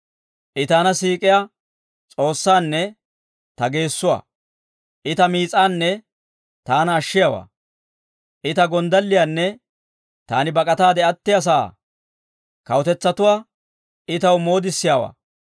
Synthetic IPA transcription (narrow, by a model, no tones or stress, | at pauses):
ʔɪt̪aːnɐsiːkʼɪja | t͡sʼo̞ːsːaːnːɛ | t̪ɐɡe̞ːsːʊwa̰ː | ʔɪt̪ɐmiːt͡sʼaːnːɛ | t̪aːnɐːʃːɪjawa̰ː | ʔɪt̪ɐɡɔnd̪ɐlːɪjanːɛ | t̪a̰ːnɪbɐkʼɐt̪aːd̪ɛɐt̪ːɪjɐs̬aː | kɐwt̪ɛt͡sːɐt̪ʊwaː | ɪt̪ɐwmo̞ːd̪ɪsːɪjawa̰ː